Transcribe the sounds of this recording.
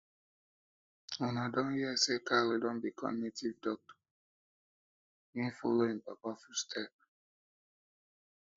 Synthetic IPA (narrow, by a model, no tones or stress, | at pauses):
ɔnadɔ̃nhiɛsekalidɔ̃nbikʰɔ̰̃mɡnitivdɔk̚tɔ̥ | ĩnfo̰loĩmpapafustʰɛp̚